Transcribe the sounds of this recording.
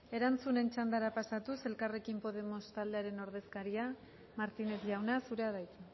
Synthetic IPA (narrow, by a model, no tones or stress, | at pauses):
e̞ɾant͡sune̞nt͡ʃand̪aɾapasat̪use̞lkare̞kimpo̞ð̞e̞mo̞st̪ald̪e̞aɾe̞no̞ɾð̞e̞skaɾia | maɾt̪ine̞zʝawnasuɾe̞aðajt̪u